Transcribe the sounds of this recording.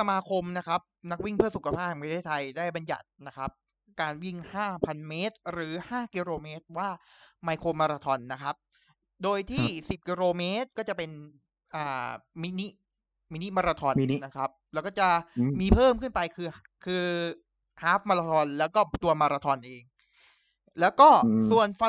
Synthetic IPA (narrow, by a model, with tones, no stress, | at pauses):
sa˧maː˧kʰo˧mna˦˥kʰa˦˥p̚na˦˥k̚wi˥˩ŋpʰɯ˥˩ɐsu˨kʰa˧pʰaː˥˩a˨˩pʰa˧t̪ʰeː˥˩t̪ʰa˧jdaː˥˩jba˧nja̰˨˩t̪̚na˦˥kʰa˦˥p̚ | kaː˧nwi˥˩ŋhaː˥˩pʰa˧nmeː˦˥t̪̚ɾɯː˩˦haː˥˩ki˧ɾoː˧meː˦˥t̪̚waː˥˩ | maː˧jkʰoː˧maː˧ɾaː˧t̪ʰɔ˧nːa˦˥kʰa˦˥p̚ | doː˧jt̪ʰiː˥˩si˨˩p̚kiː˧ɾoː˧meː˦˥t̪̚kɔː˥˩t͡ɕa˨˩pe˧n | ʔaː˨˩mi˦˥ni˦˥ | mi˦˥ni˦˥maː˧ɾa˧t̪ʰɔː˧nnːa˦˥kʰa˦˥p̚lɛ˦˥kɔː˥˩t͡ɕa˨˩miː˧pʰɤː˥˩mkʰɯ˥˩npa˧jkʰɯː˧ | kʰɯː˧ | haː˦˥f̚maː˧ɾaː˧t̪ʰɔ˧nlɛː˦˥wkɔː˥˩t̪u˧ɐmaː˧ɾa˧t̪ʰɔ˧nʔeː˧ŋ | lɛː˦˥wkɔː˥˩su˨˩ənf